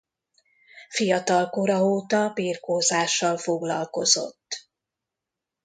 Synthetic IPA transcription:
fijɒt̪ɒlkoɾɒoːt̪ɒbiːrkoːzaːʃːɒlfo̞ɡlɒlko̞zo̞̰t̪ː

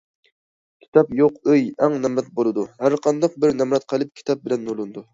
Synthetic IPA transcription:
kʲʰi̥t̪ʰɑpjoqøjæŋnɛmɾɛt̪̚bolˠɨd̪uhæɾqʰɑnd̪ɑq̚bɪɾnɛmɾɛt̪̚qʰəlˠɪp̚kʲʰi̥t̪ʰɑp̚bɪlɛnːolˠɨnd̪u

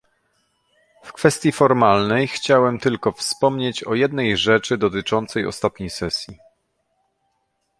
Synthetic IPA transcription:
fkfɛst̪ʲjifɔɾmalnɛjxt͡ɕawɛmt̪ɘlkɔfspɔmɲet͡ɕɔjɛd̪̚nɛjʐɛt͡ʂɘd̪ɔt̪ɘt͡ʂɔnt̪sɛjɔ̰st̪at̪ɲejsɛsʲji

